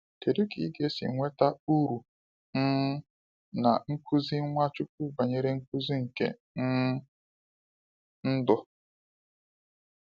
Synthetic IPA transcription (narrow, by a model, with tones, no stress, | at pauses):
te˨ɾi˦ki˨˦ɡe˦sḭ˨˦ŋʷe˦ta˦u˦ɾu˨ | ŋ̩˦ | na̰˨ŋ̩˦kʷʰu˦zi˦ŋʷa˦t͡ʃu˦k̚u˦ba˨ɲe˦ɾe˦ŋ̩˦kʷu˦zi˦ŋ̩˨kḛ˦ | ŋ̩˦ | n̩˦dɔ˦